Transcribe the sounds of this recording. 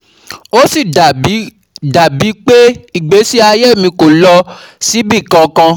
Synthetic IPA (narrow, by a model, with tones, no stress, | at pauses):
o˦si˦˨˦ | da˨bi˨˦k͡pe˦i˦˨ɡ͡be˨˦si˦a˧je˦˨mĩ˧ko˨lɔ˧si˨˦bi˦˨kã˧kã˧